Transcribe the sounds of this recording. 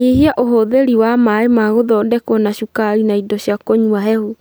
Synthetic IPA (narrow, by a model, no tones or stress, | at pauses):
ehiaʔoɦoðeɾiwamaemaɣoðɔdɛkwɔnaɕukaɾinaidɔɕjakoɲuaɦɛhu